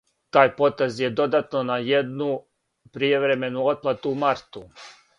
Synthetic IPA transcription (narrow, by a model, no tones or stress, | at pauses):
t̪aːjpo̞t̪ezje̞d̪o̞d̪at̪no̞najed̪nu | pɾijeʋɾe̞me̞nuo̞d̪̚plˠat̪uːmaɾt̪u